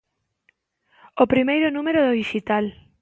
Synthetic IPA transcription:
opɾimejɾʊnũmeɾoðoðiʃit̪al

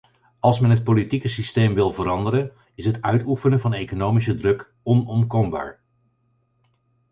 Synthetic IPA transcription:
ɑlˠsmɛnɦət̚politikəsistejmʋɪlˠvəɾɑndəɾən | ɪsɦətœɥtufənəvɑnejkonowmisədrɵk | ɔnɔmkɔmba̰ːɹ

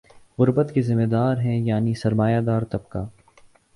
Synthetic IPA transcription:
ɣʊɾbət̪kizɪmːed̪aːɾɦɛ̃jaːnisɐɾmaːjad̪aːɾt̪ɐb̚kaː

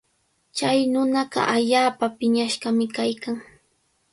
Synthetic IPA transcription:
t͡ʃajnʊnɑɢɑ̰ʔaʎaːpapɪɲaʃɢɑmɪkajkaŋ

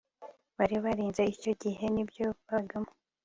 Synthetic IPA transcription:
βaɾiβaɾiːnzeico̞ɟihe̞nibjo̞βaɡamo

